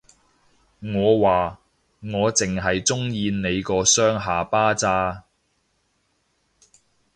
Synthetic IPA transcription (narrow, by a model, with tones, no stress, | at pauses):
ŋɔː˨˧waː˨ | ŋɔː˨˧t͡sɪ˨ŋɦɐ˨jt͡sʊ˥ŋjiː˧nne˨˧jkɔː˧sœː˥ŋɦaː˨paː˥t͡saː˥